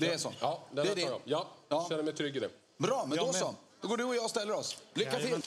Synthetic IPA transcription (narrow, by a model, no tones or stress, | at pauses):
d̪ɛːʂɔ̰ɑːd̪ɛɛædɛɾjɑ̰jɑːɑːʃɛnːəmɛjt̪ʰɾʏɡːɪd̪ɛ | bɾɑːmɛnd̪ɔsɔd̪ɔɡoːɖɵɔjɑːst̪ɛlːəɾɔslʏkːat̪ʰɪ